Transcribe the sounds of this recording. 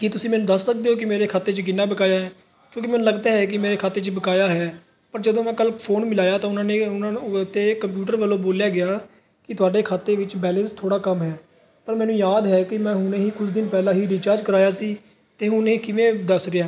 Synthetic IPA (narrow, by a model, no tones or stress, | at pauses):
kɪt̪ʊsĩːmɛːnũd̪əssək̚d̪eːɦoːk̬ɪmeːɾeːkʰaːt̪eːt͡ʃəɡɪnːaːbəkaːjaːɦɛː | kjõːk̬imɛːnũləɡd̪aːɦɛːk̬ɪmeːɾeːkʰaːt̪eːt͡ʃəbəkaːjaːɦɛː | pəɾd͡ʒəd̪õːmɛ̃ːkəlkpʰoːnmɪlaːjaːt̪ãːʊnãːneːʊnãːt̪eːkəmp̬juːʈəɾʋəlːõːboːljaːɡɪjaː | kɪt̪ʊaːɖeːkʰaːt̪ːeːʋɪt͡ʃbɛːlɛ̃ːnst̪ʰoːɽaːkəmɦɛː | pəɾmɛ̃ːnũːjaːd̪ɦɛːkɪmɛ̃ːɦʊnẽːɦiːkʰʊsd̪ɪnpɛːlãːɦiːɖiːt͡ʃaːɾd͡ʒkəɾaːjaːsiː | t̪eːɦʊnẽːkɪʋẽːd̪əsɾɪjaː